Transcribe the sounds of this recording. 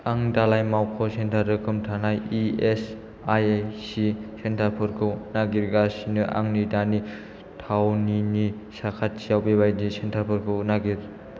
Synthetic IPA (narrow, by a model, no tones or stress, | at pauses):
aŋdalajmawkʰɔsentʰaɾdɯkʰɯmtʰanajies | ajajsisentʰapʰɯɾkʰɯwnaɡiɾɡasinɯʔa̰ŋnidani | tʰawnini | sakʰat̚sijawbebajdisentʰaɾpʰɯɾkʰɯnaɡiɾ